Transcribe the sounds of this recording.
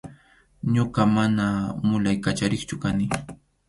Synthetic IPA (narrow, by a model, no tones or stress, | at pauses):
ɲoɢɑmanamʊlajkat͡ʃaɾɪχt͡ʃʊkanɪ